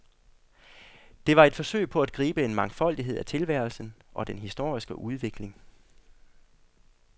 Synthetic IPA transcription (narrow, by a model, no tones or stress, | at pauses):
d̥e̝ʋɑ̈e̝d̥fɒ̽sø̰ɪpʰɒ̽æd̥̚ɡ̥ʁiːb̥əe̝nmɑ̈ŋfɒ̽l̰d̥iɦe̝ð̞̰ˠæt͡sʰe̝lʋæɐ̰lsn̩ʔɒ̽d̥enɦisd̥o̝ɐ̰isɡ̥əʔuð̞ˠʋe̝ɡ̥le̝ŋ